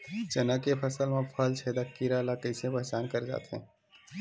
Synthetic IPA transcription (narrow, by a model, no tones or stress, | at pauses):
t͡ʃənəkepʰəsəlmẽpʰəlt͡ʃʰeːd̪akːiɾalakəɪsepəɦt͡ʃaːnkəɾd͡ʒa̰ːt̪ɦɛ̰̃ː